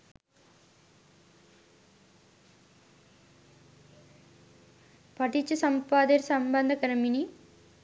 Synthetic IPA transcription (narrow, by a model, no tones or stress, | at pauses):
pɐʈit͡ɕːusɐmpaːd̪eɾsɐmbɐnd̪ʱɐkɐɾɐmini